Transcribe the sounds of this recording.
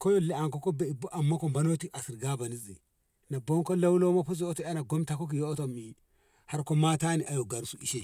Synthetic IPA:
ko˦jo˦le˦a˨ŋko˦ko˦be˨bo˦ʔa˨mːa˦ko˨mba˦no˦ti˦ʔa˨si˨ɾɡa˦ba˨ni˦zḭ˨ | na˨bo˦ŋko˦la˦wlo˦ma˦po˦s̬o˦to˦a˦na˨ɡo˦mta˦ko˦k̬i˨jo˦to˨mi˨ | ha˦ɾko˦ma˦ta˦ni˨ʔa˨jo˨ɡa˨ɾsu˦ʔi˨ʃe˦

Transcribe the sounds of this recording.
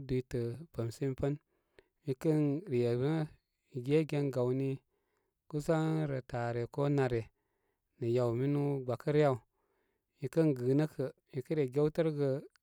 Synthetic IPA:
du˨i˨˦tə˨pə˨msi˦m˦pə˦n | mi˧kə˦nɾi˨je˨bə˦ | mi˨ɡe˦ɡe˦nɡa˨wni˦ | ku˦sa˦ŋɾə˨ta˨ɾe˨ko˦na˨ɾe˨ | nə˨ja˨wmi˦nu˦ɡ͡ba˨kə˦ɾja˨u˨ | mi˨kə˦nɡɨː˨nə˦kʰə˨mi˨kə˦ɾe˨ɡe˦wtə˦ɾɡə˧

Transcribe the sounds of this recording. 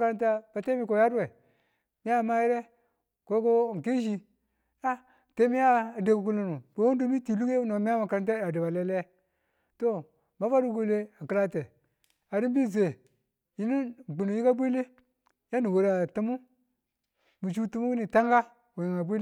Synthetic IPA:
ka˦ɾa˦nta˦ba˨te˦mi˦ko˨ja˦ɾe˨ | mi˦a˦˨ma˦ji˦ɾe˦ | ko˦ko˦˨ŋ˨ki˦ʃi˦ | ja˦ | te˦mi˦ja˦˨de˨ku˨ku˨lo˨nu˨b̥o˨˦wo˦ndu˦mi˦ti˨lu˦ke˦no˨mi˦a˦ma˨ka˨ɾa˦nt̬a˦˨a˨di˨ba˨le˦le˦ | to˦ | ma˨˦va˦ɾu˦ɡu˦le˦a˨ki˨˦la˦te˨ | a˨ɾi˦m˦bi˦˨ze˨ | ji˦ni˦˨ɡ͡bu˨nu˨ji˦ka˦bʷi˦le˦ | ja˦ni˨wo˨ɾa˨tu˦mu˦ | mu˨t͡ʃu˦tu˦mu˦ku˦ni˨ta˦ŋɡa˦ | o˨ji˨ŋa˨bi˦

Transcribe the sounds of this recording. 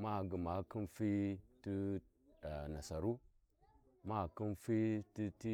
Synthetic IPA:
ma˦˨ɡə˨ma˨˦ki˦nfi˦ti˦˨ | na˨sa˨ɾu˦ | ma˦˨ki˦nfi˦ti˦ti˦

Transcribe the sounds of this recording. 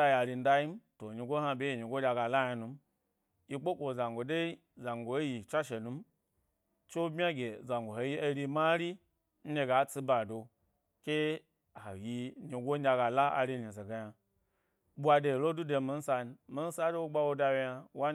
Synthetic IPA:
a˧ja˨ɾi˧n̩˦da˧ji˦m˦to˨ɲi˧ɡʷo˦ha˧bʲe˦ji˨ɲi˨ɡʷo˦dʲa˧ɡa˨la˦ja˧nu˧m˦ | ji˧k͡po˦kʷo˨za˨ŋɡo˨de˦i˦ | za˨ŋ˨ɡʷo˨˦ji˨t͡ʃa˦ʃe˨nu˧˦m˦ | t͡ʃo˦bmʲ˦a˦ɡʲe˨za˨ŋ˨ɡʷo˨ho˨ji˦e˧ɾi˧ma˦ɾi˦ | n̩˦ne˧ɡa˨˦t͡si˦ba˨do˧ | kʲe˦ | a˨ji˧ɲi˨ɡo˦n̩ʲ˦a˧ɡa˨la˦a̰˨ɾi˧ni˨ze˨ɡa˨ja˧ | ɓu˦a˧de˧˨lo˦du˦de˧mi˧n̩˦sa˧n˨mi˦n̩˦sa˦de˦wo˦ɡ͡ba˧wo˧da˧we˧ja˧wa˦

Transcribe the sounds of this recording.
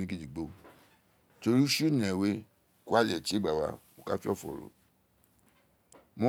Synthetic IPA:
nĩ˦ɡi˦d͡ʒi˨ɡ͡bo˧˨ | to˧ɾi˦ʃu˦nĩ˨ɛ˨we˦ | ku˦a˦˨lɛ˨ti˦i˦ɡ͡ba˨wa̰˧˦mo˧ka˦fi˦ɔ˦˨fɔ̰˨ɾo̰˨ | mõ˦

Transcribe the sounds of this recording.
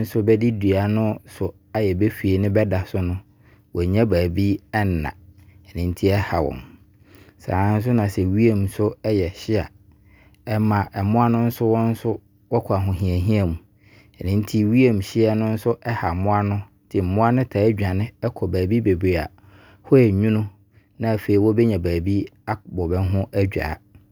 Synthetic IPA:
n̩˦sʊ˦bɛ˦di˦du˨a˨nʊ̃˦sʊ˨ | a˦jɛ˨be˦fi˨e˨nɪ̃˦bɛ˦da˨sʊ˦nʊ̃˦ | wʔɔ˨ɲã˦baː˨bi˦ɛ˦n˨nã̰˨ɛ˨nɪ̃˨n̩˦tʰi˦ɛ˦ha˨wɔ̰̃˨m | sã̰ː˨˦n̩˦s̬ʊ˦nã˨sɛ˨wi˦e˦msʊ˦ɛ˦jɛ˨ɕɪ˦a̰˨ | ɛ˦mã˨ʔɛ˨mʊ̃˦a˦nʊ̃˦n̩˦sʊ˦wɔ̃˦n̩˦sʊ˦ | wɔ˦kʰa˨ɦʊ̃˨ɦĩ˨æ˨ɦĩ˦a˦mũ˨ | ɛ˨nɪ̃˨˦n̩˦tʰi˦wi˦e˨m̩˨ɕɪ˦ɛ˦nʊ̃˦n̩˦sʊ˦ʔɛ˦ha˨mʊ̃˦a˦nʊ̃˦ | d̥ʰɪ˨m̩˨mʊ̃˦a˦nʊ̃˦tʰa˨æ˦d͡ʑᶣa˨nɪ̃˦ɛ˦kʰɔ˨bæː˨bi˦be˨bɾe˨a̰˨ | hɔ˦jɛ˨ɲũ˦nʊ̃˦ | nã˦˨fe˨i˨wɔ˦be˦ɲã˨bæː˨bi˦ | a˦bɔ˨bɛ˦ɦʊ̃˦ʔæ˦d͡ʑᶣa̰˨

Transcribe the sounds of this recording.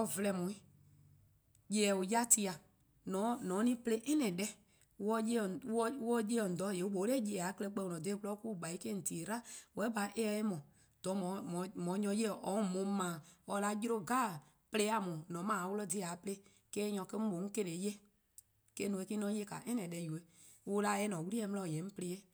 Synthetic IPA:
ɔ˧˨vlɛ˧˨mũ˨ĩ˦ | je˨ɛ˨u˨ja˦ti˧a˨ | nɔ̃˨˦nɔ̃ː˨˦nĩ˦ple˦ʔɛ˦nɛ̃˨dɛ˦ | wɔ˧˦je˦˨wwɔ˦je˦ɔ˨n̩˨dɔ˨˦˨je˨u˦ɓo˨˦le˦˨je˧˨ɛ˨a˨˦kə˦lɛ˧˦k͡pɛ˧˨ũ˨ɔ̃˨de˧˦klɔ˦ku˦˨ɡ͡ba˨i˦ke˦n̩˨ti˨ɾa˦wɛ˨˦ba˨ʔe˦ɛ˧e˦mɔ̃˨ | d̥ɔ˨˦mɔ̃˨mɔ̃˨mɔ̃˨˦ɲɔ̃˧˦je˦˨ʔɔ˨˦˨mõ˨˦mãː˨ɔ˧˦la˧˦ji˦ɾo˦ɡaː˦˨ | ple˦a˨mũ˨nɔ̃˨˦mãː˨˦wo˧lɔ˦˨di˧˦a˨˦ple˦ | kɛː˦ɲɔ̃˨ke˦mõ˨˦ŋ̩˦ke˧ɾe˨˦je˦ | ke˦nũ˧˨e˧˦ki˦nɔ̃˨˦je˦ka̰˨ʔɛ̃˦nɛ̃˨dɛ˧ju˨e˦ | wo˦la˧˦ɛ˧˦nɔ̃˨wu˦ɾi˦ɛ˧˦m˧lɔ˧˨jɛ̃˨˦n̩˦ple˧˦ɛ˦

